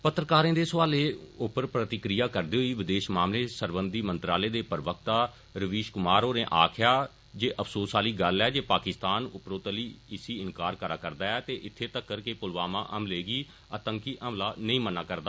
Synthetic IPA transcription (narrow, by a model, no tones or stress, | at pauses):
pət̪ɾəkaːɾẽːd̪eːsʋaːleːʊpəɾpɾət̪ɪkɾɪjaːkəɾd̪eːɦoiːʋɪd̪eːʃmaːmleːsəɾbənd̪iːmə̃nt̪ɾaːleːd̪eːpəɾʋək̚t̪aː | ɾəʋiːʃkʊmaːɾoːnẽːʔaːkʰɪjaː | d͡ʒeːʔəpʰsoːsaːliːɡəlɛːd͡ʒeːpaːkɪst̪aːnʊpɾoːt̪əliːɪsiːɪnkaːɾkəɾaːkəɾd̪aːɛːt̪eːʔɪt̪ʰːeːt̪əkːəɾkeːpʊlʋaːmãːʔəmleːɡiː | ət̪əŋkiːʔəmlaːnəĩːmənaːkəɾd̪aː